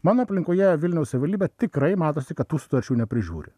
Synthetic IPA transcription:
mɑːnoːɐpʲlʲɪŋkoːjɛʋʲɪlʲnʲɛʊssʲɐʋʲɪʋɐlʲd̪ʲiːbʲɛt̪ʲɪkɾɐɪmɑːt̪oːsʲɪkɐt̪̚t̪ːuːsʊ̥t̪ɐɾʲt͡ʃʲuːnʲɛpʲɾʲɪʒʲṵːɾʲɪ̰

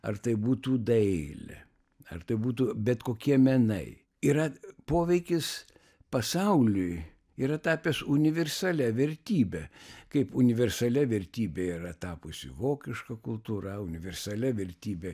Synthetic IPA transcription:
ɐ̰rt̪ɐɪbuːt̪uːd̪ɐɪlʲɛ̰ | ɐ̰rt̪ɐɪbuːt̪uːbʲɛt̪koːkʲiɛmʲɛnɐɪ | iɾɐpoːʋʲɛɪkʲɪs | pɐsɐʊlʲʊj | iːɾɐt̪ɑːpʲesʊnʲɪʋʲɛrsɐlʲɛʋʲɛɾʲt̪ʲiːbʲɛkɐɪpʊnʲɪʋʲɛrsɐlʲɛʋʲɛɾʲt̪ʲiːbʲeːiːɾɐt̪ɑːpʊsʲɪ̰ʋoːkʲɪʃkɐkʊlˠt̪uːɾɐʊnʲɪʋʲɛrsɐlʲɛʋʲɛɾʲt̪ʲiːbʲɛ

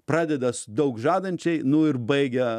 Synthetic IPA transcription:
pɾɑːd̪ʲɛd̪ɐsd̪ɐʊkʒɑːd̪ɐnʲt͡ʃʲɛɪnʊɪɾbɐɪɡʲɛ

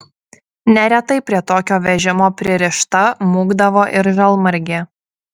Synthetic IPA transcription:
nʲɛɾʲɛt̪ɐɪpʲɾʲiɛt̪oːkʲoːʋʲɛʒʲɪmoːpʲɾʲɪɾʲɪʃt̪ɐmuːɡd̪ɐʋoːʔɪɾʒɐlˠmɐɾʲɡʲe

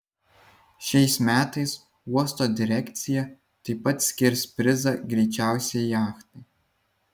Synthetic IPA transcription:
ʃʲɛɪsmʲæːt̪ɐɪs | uɔst̪oːd̪ʲɪɾʲɛkʲt̪sʲɪjɛ | t̪ɐɪpɐt̪sʲkʲɪɾʲspʲɾʲɪzɐɡɾʲɛɪt͡ʃʲæˑʊsʲɛjɑːxt̪ɐɪ

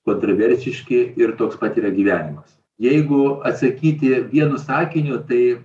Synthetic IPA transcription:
koːnt̪ɾoːʋʲɛɾʲsʲɪʃʲkʲɪɪrt̪oːkspɐt̪ʲiːɾɐɡʲiːʋʲæːnʲɪmɐs | jɛɪɡʊɐt̪sɐkʲiːt̪ʲɪʋʲiɛnʊsɑːkʲɪnʲʊt̪ɐɪ

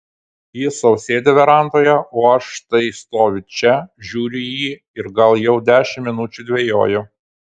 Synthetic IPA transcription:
jɪsɐʊsʲeːd̪ʲeʋʲɛɾɐˑnt̪oːjɛoːɐʃt̪ɐɪst̪oːʋʲɪt͡ʃʲɛʒʲuːɾʲʊjiː | ɪɾɡɐlˠjɛʊd̪ʲæːʃʲɪmːʲɪnʊt͡ʃʲʊd̪ʲʋʲeːjo̰ːjʊ

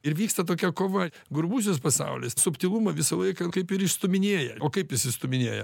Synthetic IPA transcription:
ɪɾʋʲiːkst̪ɐt̪oːkʲɛkoːʋɐ | ɡʊɾbuːs̬ʲʊspɐsɐ̰ʊlʲɪssʊpʲt̪ʲiːlˠumɐʋʲɪsɐlˠɐɪkɐkɐɪpɪɾɪʃst̪ʊmʲɪnʲeːjɛoːkɐɪpjɪsɪʃst̪ʊmʲɪnʲeːjɛ̰

